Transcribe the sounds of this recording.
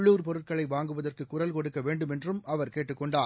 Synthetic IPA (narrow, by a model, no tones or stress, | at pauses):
ɭːuːɾpɔɾɯʈkɐɭɐɪʋaːŋɡɯʋɐðɐrkɯkːʊrɐlkɔɽɯkːɐʋeːɳɖɯmɛndrɯmɐʋɐɾkeːʈːɯkːɔɳɖaː